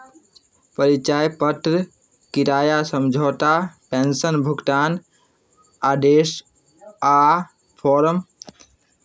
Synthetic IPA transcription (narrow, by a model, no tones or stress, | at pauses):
pəɾit͡ʃaːjpət̪ɾə | kiɾaːjasəmd͡ʒʱoːt̪apensənbʱukt̪aːn | aːd̪eːs | a | pʰɔɾəm